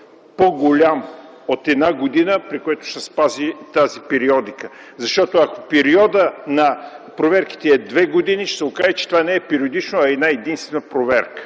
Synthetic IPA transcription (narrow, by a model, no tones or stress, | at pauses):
poɡolʲam | ot̪ɛd̪naɡod̪inəpɾikoɛt̪ʊ̥sɛspazit̪azipɛɾiɔd̪ikə | zɐʃt̪ɔt̪oɐko̥pɛɾiɔd̪ənɐpɾovɛɾki̥t̪ɛːd̪vɛɡod̪iniʃsɛokaʒɛt͡ʃɛ̥t̪ovanɛɛpɛɾiod̪it͡ʃnoɐɛd̪naɛd̪inst̪vɛnəpɾovɛɾkə̥